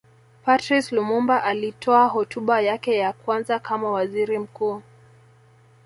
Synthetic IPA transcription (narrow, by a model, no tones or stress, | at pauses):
patɾislumumbaʔalitʰɔaɦɔtuɓajakɛjakwanzakʰamawaziɾim̩kuː